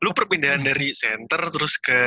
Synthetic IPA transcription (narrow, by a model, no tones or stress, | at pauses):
lupərpindaɦandaɾisɛnt̪ərt̪əɾʊskə